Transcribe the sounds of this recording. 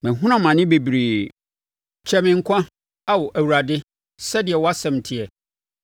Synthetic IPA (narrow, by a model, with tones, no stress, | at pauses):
mɪ̃˨ɦʊ̃˦nã˦mã˨nɪ̃˦be˨bɾiː˨ | t͡ɕʰɛ˨˦mɪ̃˨ŋ̩˨kʷʰã˦ | a˦wɔ˨ʔæ˨wu˨ɾa˨dɪ˦ | sɛ˦dɪ˨ɛ˨wɔ˦a˦sɛ̃˨m˨tʰɪ˨ɛ˨